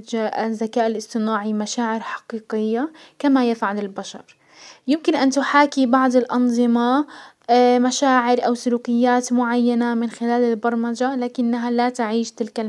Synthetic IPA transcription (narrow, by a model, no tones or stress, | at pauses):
zːakaːʔɪlʔɪsˤt̪ˤɨnaːʕimaʃaːʕɪɾħɑ̥qiːqɪjːa | kamajɪfʕalɪlbaʃɑ̰ɾˤ | jɪmkɪnʔant̪ʊħaːkibɑʕd̪ˤɪlʔɑnðˤɨmɑ | maʃaːʕɪɾʔawsʊluːkɪjːaːt̪mʊʕajːanamɪnxɪlaːlɪlbɑɾˤmad͡ʒalaːkɪnːaɦalat̪aʕiːʃt̪ɪlka